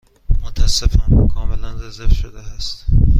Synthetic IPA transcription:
mot̪ʰæsːefɒːnkʰɒːme̞lænzezefʃod̪eæst̪

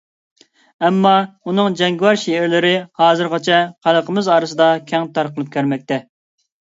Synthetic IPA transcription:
ɛmːɑunɨŋd͡ʒɛŋɡʲwɑɾʃeɪɾlɪɾɪhɑːzɨɾʁɑt͡ʃʰɛqʰælˠəqʰəmɨzɑːɾɨsɨd̪ɑkʲʰɛŋt̪ɑɾqəlˠɨp̚kʲʰøɾmɛk̚ʲt̪ʰɛ

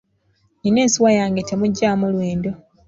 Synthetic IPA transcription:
nine̞ːnsiwajaːŋɡetemuɟːaːmulweːndo

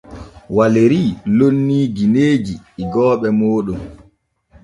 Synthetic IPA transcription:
waleɾilonːiːɡineːd͡ʒiiɡɔːɓɛmoːɗum

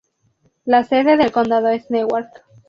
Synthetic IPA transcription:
lase̞ðe̞ðe̞lko̞nd̪aðoesnewaɾt̪

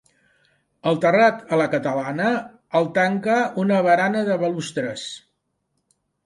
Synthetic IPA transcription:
əlˠt̪ərat̪ələkət̪əlanə | əlˠt̪aŋkəunəβəɾanəðəβəlust̪ɾəs

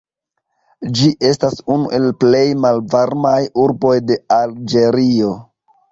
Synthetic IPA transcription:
d͡ʒiʔe̞stasunuʔe̞lple̞jmalvaɾmajuɾbo̞jde̞ald͡ʒe̞ɾio̞

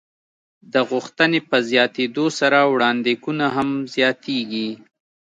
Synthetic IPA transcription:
d̪əɣʊxt̪ənepəzjɑt̪ed̪osaɾawɽɑnd̪ekunaɦamzjɑt̪ʰeɡi

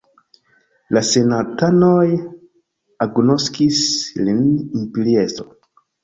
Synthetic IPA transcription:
lase̞natanoj | aɡno̞skislinimpiɾiezo̰

